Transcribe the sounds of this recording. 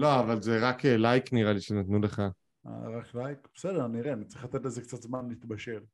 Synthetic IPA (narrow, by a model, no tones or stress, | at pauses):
lo̞avalzeʁakelajkniʁaliʃenat̪nule̞χa | a̰ʁaklajkb̥esed̪eʁaniʁeanitt͡sʁiχlat̪e̞t̪lezekt͡sat̪zmanlit̪baʃe̞l